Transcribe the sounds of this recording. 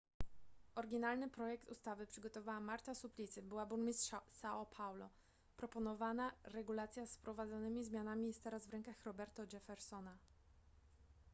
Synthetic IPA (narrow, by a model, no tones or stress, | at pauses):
ɔɾɡʲinalnɘpɾɔjɛkt̪ust̪avɘpʂɘɡɔt̪ɔvawamaɾt̪asuplʲit̪sɘbɘwabuɾmʲist̪ʂsaɔpʰawlɔ | pɾɔpɔnɔvanaɾɛɡulat̪sʲjasfpɾɔvad̪zɔnɘmʲizmʲjanamʲijɛt̪ːɛɾazvɾɛŋkaxɾɔbɛɾt̪ɔd͡ʒɛfɛɾsɔna